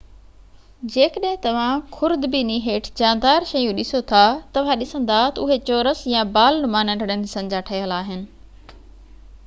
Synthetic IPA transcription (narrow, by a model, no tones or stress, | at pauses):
d͡ʑeːkəɗɦɪ̃t̪ɐʋ̤ãkʰʊɾd̪biniɦeːʈʰd͡ʑaːnd̪aːɾʃɐjũɗɪsot̪ʰat̪ɐʋ̤ãɗɪsə̃nd̪at̪ɐʊɦet͡ɕoːɾəsjãbaːlnʊmaːnə̃ɳɖəɽənsɐ̃ɲd͡ʑaʈʰɐɪəlaːɦɪnɪ̆